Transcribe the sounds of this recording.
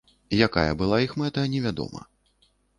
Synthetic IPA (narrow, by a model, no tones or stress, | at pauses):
jaka̰jɐ̰bɨlˠaixmɛt̪ɐnʲɛvʲad̪ɔ̰mɐ̰